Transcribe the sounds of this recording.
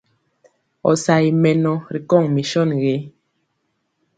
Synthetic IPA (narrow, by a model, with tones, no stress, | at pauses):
ɔ̰˨sa˨i˨mɛ˨nɔ˨ɾi˨kɔ˦˨ŋmi˨ʃɔ˦˨nɣe˨˦